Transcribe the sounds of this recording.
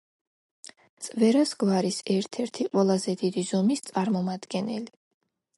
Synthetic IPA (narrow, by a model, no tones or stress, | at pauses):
t̪sʼvɛɾasɡvaɾisɛɾt̪ʰɛɾt̪ʰiqʼwɛlˠazɛd̪id̪izɔmist̪sʼaɾmɔmad̪̥ɡɛnɛli